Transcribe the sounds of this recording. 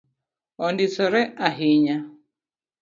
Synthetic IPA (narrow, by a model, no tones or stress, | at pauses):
ɔndit͡sɔɾɛʔaɦiɲa